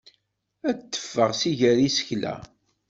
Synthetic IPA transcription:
æt̪ːə̥fːəʁsiʝæɾisə̥çlæ̰

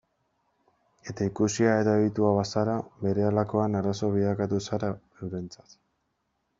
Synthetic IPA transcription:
e̞t̪aikusiaeðaeβit̪uaβasaɾaβe̞ɾe̞alako̞anaɾaso̞β̞iðakat̪usaɾa | ewɾe̞nt͡sḁt̪

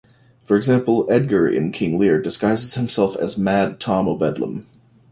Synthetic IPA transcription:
fə˞ɨɡzæ̃mpl̩ˠɛd̚ɡə˞ɪ̰̃nkʰɪ̃ŋlɪɹdɨskaɪzɨz̥hɨ̃m̩sɛlˠfɨ̰zmæd̚tʰɑ̃moʊbɛdˡlə̰̃m

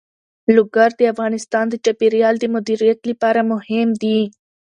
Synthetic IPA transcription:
lʊɡaɾd̪eafɣɑːnɪst̪ɑːnd̪ət͡ʃapiɾijɑld̪əmʊd̪iɾijat̪lipɑɾamʊhɪmd̪i

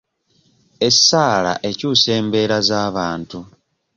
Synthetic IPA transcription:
e̞saːla̰ʔe̞cuːse̞ːmbe̞ːɾazaːβaːntu

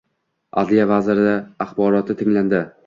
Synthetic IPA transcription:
a̰d̪lijavazɪɾɪd̪aaχbɒɾɒt̪ʰɪt̪ʰɪŋland̪ɪ

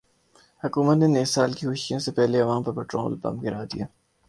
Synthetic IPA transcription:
hɐkuːmət̪neneːsːaːlkixʊʃijõsepɛɦleɐʋaːmpɐɾpɛːʈɾo̰ːlbɐ̰̃mɡɪɾaːd̪ijaː

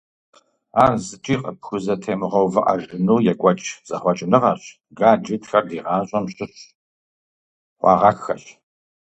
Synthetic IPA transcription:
aːrzɨt͡ʃʼiːqʼɐpxʷʊzɐtʰeːmɨʁɐwvɨʔɐ̰ʒɪnuːjɛkʷʼɐt͡ʃʼz̥ɐχʷɔt͡ʃʼɪnɨʁɐɕ | ɡaːd͡ʒɪtxɐrdiːʁɑːɕʼɐmɕɨɕ | χʷɑ̰ːʁɐxɐɕ

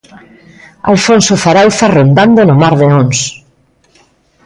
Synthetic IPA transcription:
a̰lfonsofaɾawθarond̪and̪onomaɾðeõns

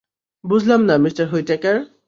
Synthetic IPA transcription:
bud͡ʑʱlamnamistaɹɦojtɛkaɹ

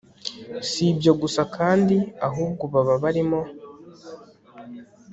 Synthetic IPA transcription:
sibjo̞ɡusakʰaːndiaɦuːb̚ɡoβaβaβaɾimo̞

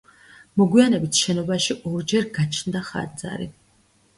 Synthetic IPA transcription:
mɔɡwianɛbit̪ʰʃɛnɔbaʃiʔɔɾd͡ʒɛɾɡat͡ʃʰnd̪aχa̰d̪za̰ɾḭ

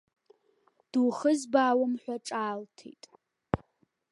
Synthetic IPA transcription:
d̥uwχəzbaːwʊmħʷᶣaʈ͡ʂʼaːltʰḛjtʼ

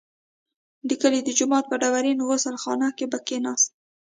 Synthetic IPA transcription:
likəlid̪əd͡ʒʊmɑt̪̚pəɖawaɾinowosalxɑ̰nɑkebakenɑst̪̚

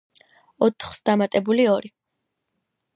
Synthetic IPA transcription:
ɔt̪ʰχsd̪amat̪ʼɛbuliɔɾi

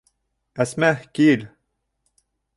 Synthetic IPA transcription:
æsmæhkil

